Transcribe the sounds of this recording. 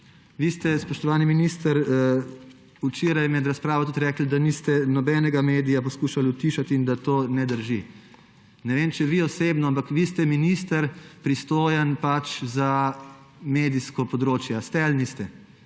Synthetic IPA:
ʋist̪ɛspɔʃt̪ɔʋaːniminiːst̪əɾ | ut͡ʃeːɾajmɛd̪ɾaspɾaːʋɔt̪ut̪ɾɛːkl̩d̪anist̪ɛnɔbɛːnɛɡameːd̪ijapɔskuːʃalut̪iʃat̪iːnd̪at̪oːnɛd̪əɾʒi | nɛʋeːmt͡ʃɛʋiɔsebnɔampakʋiːst̪ɛminist̪əɾpɾist̪oːjənpat͡ʃza | meːd̪iskɔpɔd̪ɾoːt͡ʃjast̪ɛalnist̪ɛ

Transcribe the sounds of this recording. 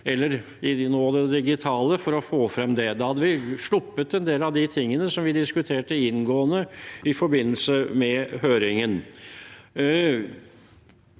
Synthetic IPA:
ɛlːəɾ | ɪnoːd̪ɛd̪ɪɡɪt̪ʰɑːləfɔɾɔfoːfɾɛmd̪ɛd̪ɛhɑd̪ːəʋɪʂɭʊpːət̪ɛnd̪eːlɑʋd̪ɪt̪ʰɪŋːənəsɔmʋɪd̪ɪskʉt̪ʰeːʈəɪnɡoːənəɪfɔɾbɪnːəlsəmɛhøːɾɪŋən

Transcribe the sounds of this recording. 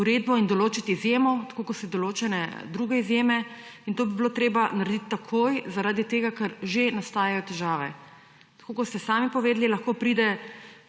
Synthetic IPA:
uɾed̪̚bɔind̪ɔloːt͡ʃit̪iizjemɔt̪ḁkokɔst̪ɛd̪ɔloːt͡ʃɛnɛ̰d̪ɾuɡɛizjeːmɛ | int̪oːbibiloːt̪ɾeːbanaɾɛd̪it̪t̪ːakʰoːjzaɾaːd̪it̪eːɡakɐɾʒenast̪aːjajɔt̪ɛʒaːʋɛ | t̪ḁkoːkɔst̪ɛsaːmipɔʋeːd̪lilɐxkoːpɾiːd̪ɛ

